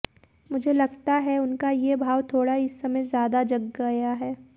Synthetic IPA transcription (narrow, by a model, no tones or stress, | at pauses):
mʊd͡ʒʱelɐɡt̪aɦɛʊnkajebʱaːʋt̪ʰoːɽaɪsːɐməzjaːd̪ad͡ʒɐɡːɐjaɦɛː